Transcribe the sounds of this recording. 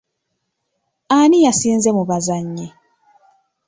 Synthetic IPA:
anijasiːnze̞muβazaɲːe

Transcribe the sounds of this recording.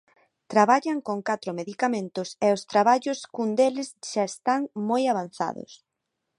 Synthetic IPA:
t̪ɾaβaʎaŋkoŋkat̪ɾomeðikamẽnt̪ʊsɛost̪ɾaβaʎʊskund̪elɪsʃaest̪aŋmojaβ̞an̟θa̰ðʊ̰s

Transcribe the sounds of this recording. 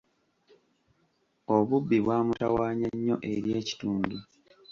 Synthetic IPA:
o̞βubːiβwaːmutawaːɲaɲːo̞ʔe̞ɾje̞ːci̥tuːndu

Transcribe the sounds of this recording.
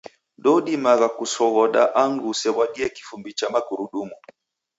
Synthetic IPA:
ɗɔɗimaɣakusɔɣɔɗa̰ʔaŋɡusɛβwaɗiɛki̥fumbit͡ʃamakuɾuɗumu

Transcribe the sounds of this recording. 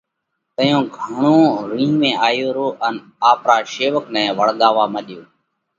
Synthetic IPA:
t̪əjõːɡʱəɳõːɾĩːmẽːʔaːjoːɾoːʔən | aːpɾaːʃeːʋəknɛ̃ːʋəɽɠ̪aːʋaːməɗɪjoː

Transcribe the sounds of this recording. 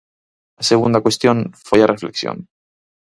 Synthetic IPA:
laseɣ̞und̪akwe̞st̪jo̞nfwejarʔeflḛksjo̰n

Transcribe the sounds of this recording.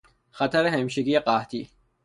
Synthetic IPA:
χat̪ʰaɾɛɦɛmʃiɡiaqʼaht̪ʰi

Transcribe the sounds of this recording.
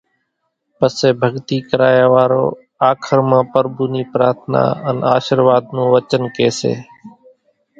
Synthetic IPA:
pəseːbʱəɡt̪iːkəɾaːjaːʋaːɾo̰ː | aːkʰəɾmãːpəɾbuːniːpɾaːɾt̪ʰna̰ːənaːʃəɾʋaːd̪nũːʋət͡ʃənkeːsḛː

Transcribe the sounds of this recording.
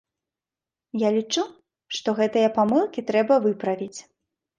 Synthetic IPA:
jalʲit͡ʂu | ʂt̪ɔɣɛt̪ɨjɐpamɨlˠkʲit̪ɾɛbɐvɨpɾɐvʲit͡sʲ

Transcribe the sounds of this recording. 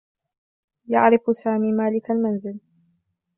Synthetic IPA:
ja̰ʕɾɪfsaːmiːmaːlɪkalmanzɪl

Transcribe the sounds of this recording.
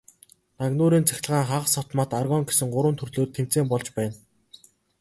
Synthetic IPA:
naɣnʊːɾiːnt͡sæ̥xʲt̆ɮəʁaːŋχaʁə̆sɔt̪maːt̪arɣɔːŋɡe̥sɘ̆ŋɢʊɾwə̆nt̪ʰɵrɮoːt̪ʰːem̥t͡seːmpɔɮt͡ɕpæːn

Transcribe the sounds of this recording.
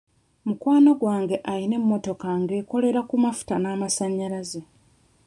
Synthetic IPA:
mukwaːnoɡwaːŋɡe̞ʔaline̞mːo̞to̞kaŋɡe̞ːko̞le̞ɾakumafu̥tanaːmasaɲːaɾaze

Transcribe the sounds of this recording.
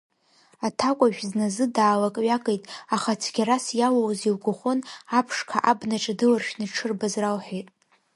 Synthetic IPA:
atʰakʷʼaʒᶣznazɨdaːlakʼɥakʼejtʼaχat͡sʰɡʲaɾasjawawziwɡʷʊχʷʊnapʰʂkʰa̰ʔabnaʈ͡ʂʼadɨlarʃᶣnɨʈ͡ʂʰɨrbazralħejtʼ

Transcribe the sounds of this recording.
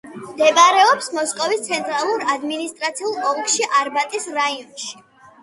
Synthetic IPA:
md̪ɛbaɾɛɔpsmɔskʼɔvist̪sʰɛnt̪ʼɾalˠuɾad̪minist̪ʼɾat̪sʰiulˠʼɔŋkʃiʔaɾbat̪ʼisɾaiɔnʃi̥

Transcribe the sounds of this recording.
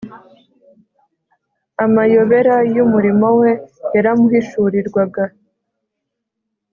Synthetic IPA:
amajo̞βe̞ɾajumuɾimo̞we̞ːɾamuhiʃuɾiɾɡwaɡa

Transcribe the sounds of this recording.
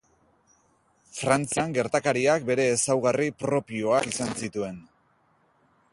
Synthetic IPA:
fɾant͡siaŋɡe̞ɾt̪akaɾiak̚be̞ɾe̞ːsawɣaripɾo̞pio̞akisansit̪ue̞n

